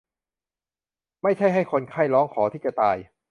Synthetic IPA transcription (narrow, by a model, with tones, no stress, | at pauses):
ma˥˩jt͡ɕʰa˥˩jɦa˥˩jkʰo˧nkʰaː˥˩jlɔː˦˥ŋkʰɔː˩˦t̪ʰiː˥˩t͡ɕa˧˩t̪aː˧j